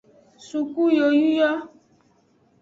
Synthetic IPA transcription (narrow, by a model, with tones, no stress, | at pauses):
su˨ku˦jo˨ju˦jɔ˦